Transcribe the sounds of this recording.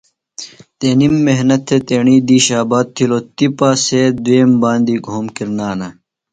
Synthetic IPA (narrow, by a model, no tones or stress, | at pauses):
t̪eːnimːeɦnɐt̪ʰːet̪eːɳiːd̪iːɕaːbaːt̪̚t̪ʰːiloːt̪ipaːsed̪ueːmbaːnd̪iːɡʱoːmkiɾnaːnɐ